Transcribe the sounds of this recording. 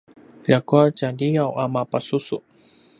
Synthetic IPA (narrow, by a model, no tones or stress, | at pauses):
ʎakuat͡ɕaʎijawʔamapasusṵ